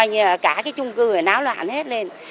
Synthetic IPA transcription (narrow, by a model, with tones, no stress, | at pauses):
ə˧jzəː˨˩kaː˧˩kaː˨˦jt͡ɕʊ˧ŋ͡mkɨ˧ə˨˩naː˨˦wlwa̰ː˧˨nhe˦˥t̚le˧n